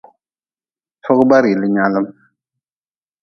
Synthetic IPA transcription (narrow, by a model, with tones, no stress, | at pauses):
fʊ˦ɣba˦ɾɪ˨lɨ˦ɲa˦lɨ˦m